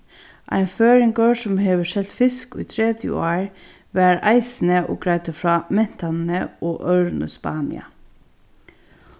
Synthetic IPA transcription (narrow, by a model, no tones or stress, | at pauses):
ʔæ̰ɪnføːɹɪŋɡœsɔmheːʋəʂɛl̥t̪fɪskṵːt̪ʰɹeːd̪jə̰oːɹ | ʋæːɾæ̰ɪsn̩əʔo̰ːɡɾæɪt̪əfɹɑːmɛn̥t̪ʰannəʔoːʔœʉɹnə̰spɑ̰ːnɪ̰ɑ̰